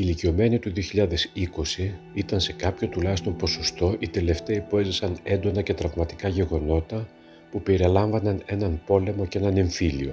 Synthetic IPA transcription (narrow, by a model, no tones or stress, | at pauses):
ilicio̞me̞nit̪uðioçiʎɐðe̞siko̞si | it̪ɐnse̞kɐpço̞t̪ulɐçist̪o̞npo̞so̞st̪o̞ʔit̪e̞le̞ft̪e̞ipoe̞zisɐne̞nd̪o̞nɐce̞t̪ɾɐvmɐt̪i̥kɐʝe̞ɣo̞no̞t̪ɐ | pupe̞ɾilɐɱvɐnɐne̞nɐnpo̞le̞mo̞cee̞nɐne̞ɱfilio̞̰